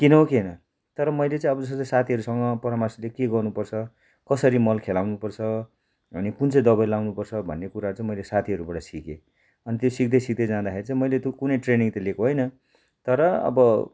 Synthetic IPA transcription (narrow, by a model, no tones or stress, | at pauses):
kinʌokenʌ | t̪ʌɾʌmʌjlet͡sãĩʌbʌd͡zʌst̪ʌt͡sasat̪ʰiɦʌɾusʌŋɡʌpʌɾamaslekeɡʌrnupʌrt͡sʰʌ | kʌsʌɾimʌlkʰelawnupʌrt͡sʰʌ | ʌnikunt͡sʌjd̪ʌβʌjlawnupʌrt͡sʰʌbʱʌ̰nːekuɾat͡saĩmʌjlesat̪ʰiɦʌɾubaɽʌsike | ʌnit̪josik̚d̪ʌjsik̚d̪ʌjd͡zãd̪axeɾit͡sãĩmʌjlet̪kunʌjʈreniŋt̪ʌlekoɦojnʌ | t̪ʌɾʌʌ̰bʌ